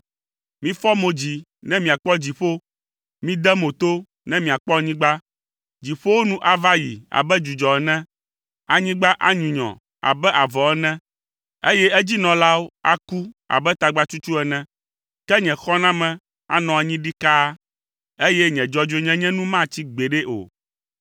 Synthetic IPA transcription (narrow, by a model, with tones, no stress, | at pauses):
mĩ˦fɔ˦mo˨d͡ʑi˨ | nɛ̃˦mĩ˨a˨k͡pɔ˦d͡ʑi˨ɸo˦ | mĩ˦d̪ɛ˦mo˨t̪o˦ | nɛ̃˦mĩ˨a˨k͡pɔ˦˨ɲĩ˦ɡ͡ba˦ | d͡ʑi˨ɸo˦wo˦nũ˦ʔa˨va˦ji˨a̰˨bɛ˦d͡ʒu˨d͡ʒɔ˨ɛ˨nɛ̃˦ | a˨ɲĩ˦ɡ͡ba˦ʔa˦ɲũ˨ɲɔ̰̃˨ | a̰˨bɛ˦ʔa˨vɔ˨ɛ˦nɛ̃˦ | e˦jɛ˦ɛ˦d͡ʑi˦nɔ̃˨la˦wo˦a̰˦ku˦a̰˨bɛ˦t̪a˨ɡ͡ba˦t͡ʃu˦t͡ʃu˦ɛ˨nɛ̃˦ | kɛ˦ɲɛ̃˨xɔ˦nã˦mɛ̃˨ | a̰˨nɔ̃˨a˨ɲĩ˦ɖi˦ka˦ | e˦jɛ˦ɲɛ̃˨d͡ʒɔ˦d͡ʒo˦e˦ɲɛ̃˦ɲɛ̃˦nũ˦mã˦t͡ɕi˦ɡ͡be˨ɖɛ˦ʔo̰˨